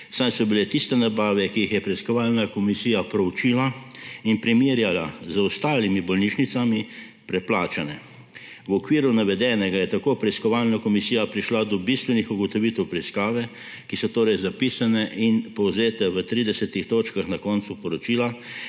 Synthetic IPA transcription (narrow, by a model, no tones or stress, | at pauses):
sajsɔbilɛt̪ist̪ɛnabaːʋɛkijixjɛpɾɛiskɔʋaːlnakɔmisiːjapɾɔwut͡ʃiːlainpɾimiɾjalazəɔst̪aːlimibɔlniʃnit̪sami | pɾɛplaːt͡ʃanɛ | wɔkʋiːɾunaʋɛd̪ɛːnɛɡajɛt̪akoːpɾɛiskɔʋalnakɔmisiːjapɾiʃlad̪ɔbist̪ʋɛnixuɡɔt̪ɔʋit̪ɛwpɾɛiskaːʋɛ | kisɔt̪oːɾɛjzapiːsanɛʔinpɔwzeːt̪ɛʋət̪ɾid̪ɛsɛt̪ixt̪oːt͡ʃkaxnakɔnt̪supɔɾɔt͡ʃiːla